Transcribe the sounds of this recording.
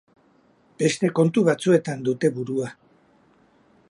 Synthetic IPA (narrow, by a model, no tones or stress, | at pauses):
b̥e̞st̪e̞ko̞nt̪uβat͡sue̞t̪and̪ut̪e̞βuɾua